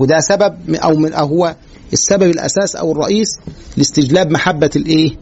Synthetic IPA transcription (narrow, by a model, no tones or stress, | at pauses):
wɪd̪æsæbæb̚ʔæ̰wmɪnʔæwɦowːæ | ʔesːæbæbelʔæ̰sæːsʔæ̰wɪrˤːɑ̰ʔiːslɪst̪ɪd͡ʒlæːbmaħabːælʔeː